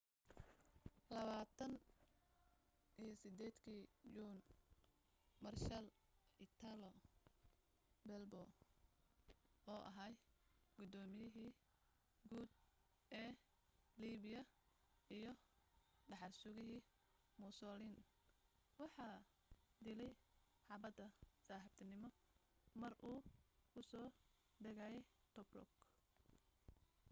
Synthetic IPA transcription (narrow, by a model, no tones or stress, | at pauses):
lɐβaːt̪ʰɐn | ʔijɔsɪd̪ɛːd̪kʰiːd͡ʒuːn | mɐrʃɐl | ɪt̪ʰalɔ | bɛlbɔː | ɔːʔɐ̰ɦɐjɡ̥ʊd̪ɔːmɪjɪɦiː | ɡuːd̪̚ | ɛː | liːβɪjɐ | ijɞ | ɖɑħɑrsʊɣɪɦiː | mʊsɔːlin | wɑħɑː | d̪ɪlɛj | ħɑbɐd̪ɐsaːhɪb̚t̪ʰɐnɪmɔ | mɐrʔuːkʰʊsɔː | ɖɐɣajɛj | t̪ʰɔbrɔ̰k